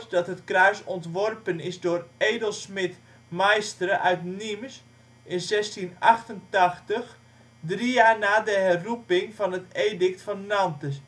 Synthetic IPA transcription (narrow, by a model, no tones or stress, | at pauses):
tdɑtɦətkrœɥsɔntʋɔrpənɪsdʊːreːdəlˠsmɪt | majstrəʔœɥtnims | ʔɪnzɛstinɑxtəntɑxtəx | drijaːrnaːdəɦɛrupɪŋvɑnɦəteːdɪk̚tfɑnːɑntəs